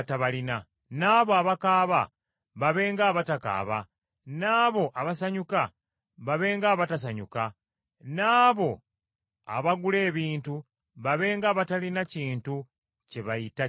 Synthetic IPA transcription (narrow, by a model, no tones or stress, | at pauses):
taβalina | naːβoaβakaːβa | βaβe̞ːŋɡaːβataka̰ːβa̰ | naːβo̞ʔaβasaɲuka | βaβe̞ːŋɡaːβatas̬aɲuka | naːβo̞ | a̰βaɡule̞ːβiːntu | βaβe̞ːŋɡaːβatalinaciːntu | ceβajita